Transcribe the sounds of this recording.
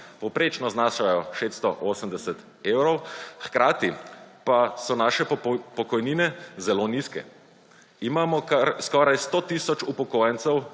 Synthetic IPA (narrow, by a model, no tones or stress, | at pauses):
pɔwpɾeːt͡ʃnɔznaːʃajɔʃet̪st̪ɔʔoːsəmd̪ɛsɛt̪ | eːwɾɔwxkɾaːt̪ipasɔnaʃɛpɔkɔjniːnɛzɛloniskɛ̰ | imaːmɔkaɾskɔːɾajst̪oːt̪isɔt͡ʃupɔkojɛnt̪sɛw